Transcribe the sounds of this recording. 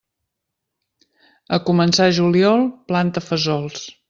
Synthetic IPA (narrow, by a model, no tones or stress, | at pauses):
əkumənsaʒuliɔlˠplant̪əfəzɔlˠs